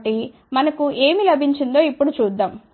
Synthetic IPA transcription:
ʈi | mɐnɐkuʔe̞ːmilɐbʱiɲt͡ʃind̪o̞ːipːuɽut͡ʃuːd̪ːaːm

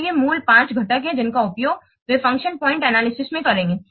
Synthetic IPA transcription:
jemuːlpãːt͡ʃɡʱɐʈəkɦɛ̃d͡ʒɪnkaʊpjoːɡ | ʋɪfɐ̃ŋkʃənpɔ̃ːɪ̃ɳʈɛnaːlɪsɪsmẽkɐɾẽːŋɡeː

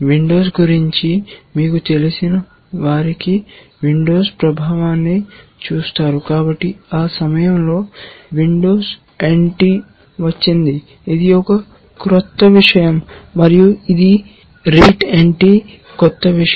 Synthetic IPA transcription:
ʋiɳɖo̞ːsɡuɾiɲt͡ʃimiːkut̪e̞lisinɐ | ʋaːɾiki | ʋiɳɖo̞ːspɾɐbʱaːʋaːnːit͡ʃuːst̪aːɾukaːbɐʈːiaːsɐmɐjɐmlo̞ːʋiɳɖo̞ːs | eɳʈi | ʋɐt͡ʃːind̪iː | d̪iɔkɐ | kɾɔt̪ːɐʋiʂɐjɐmːɐɾijuid̪i | ɾeːʈeɳʈi | kɔt̪ːɐʋi

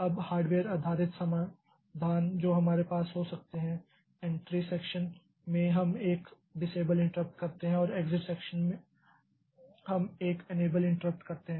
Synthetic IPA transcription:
ɐbhaːɾɖʋeːɾaːd̪ʱaːɾɪt̪sɐmaː | d̪ʱaːnd͡ʒoːɦɐmaːɾepaːsɦosɐk̚t̪eɦɛ̃ | ẽɳʈɾiseːkʃən | mẽɦɐmeːk | ɖɪseːbəlɪ̃ɳʈəɾəp̚ʈkɐɾt̪eɦɛ̃ɔːɾeːɡzɪʈsɛːkʃənmẽ | ɦɐmeːkeneːbəlɪ̃ɳʈəɾəp̚ʈkɐɾt̪eɦɛ̃

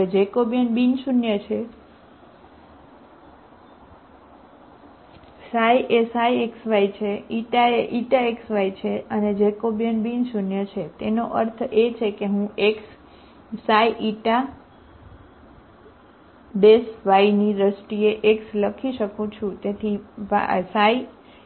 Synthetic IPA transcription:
ed͡ʒekobjənbinʃunjət͡ʃʰe | sajʔesajeksʋaijt͡ʃʰeiʈaeʔiʈaeksʋait͡ʃʰeəned͡ʒekobjənbinʃunjət͡ʃʰet̪enoʔəɾt̪ʰet͡ʃʰekeɦũeks | saiʔiʈa | besʋainiɾəsʈieʔeksləkʰiʃəkũt͡ʃʰũt̪et̪ʰiʋasai

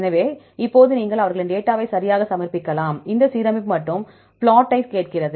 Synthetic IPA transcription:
nɐʋeː | ɪpːoːðɯniːŋɡɐɭɐʋɐɾɣɐɭɯnɖeːʈːaːʋɐɪsɐɾɪjaːɣɐsɐmɐɾpɪkːɐlaːmɪnd̪ɐsiːɾɐmɪpmɐʈːɯm | pɭaːʈːɐɪskeːʈ̚kɪrɐðɯ

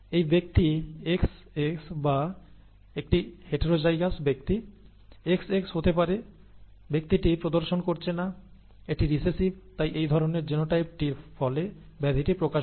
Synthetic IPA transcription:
ejbek̚t̪ieks | eksba | ek̚ʈiheʈeɾod͡ʑajɡasbek̚t̪i | ekseksɦot̪ep̬aɾe | bek̚t̪iʈipɾod̪oɾʃonkoɾt͡ɕʰena | eʈiɾisesibt̪ajʔejd̪ʱɔɾoneɾd͡ʑenoʈajp̚ʈiɾfɔle | bɛd̪ʱiʈipɾokaʃ

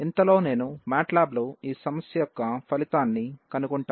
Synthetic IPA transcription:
int̪ɐlo̞ːne̞ːnumaːʈlaːbluiːsɐmɐsjɐjɔkːɐpʰɐlit̪aːnːikɐnukuɳʈaː

